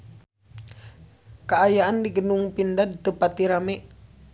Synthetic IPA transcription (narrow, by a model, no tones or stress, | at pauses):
kaajaːndiɡənuŋpindadit̪əpat̪iɾamɛ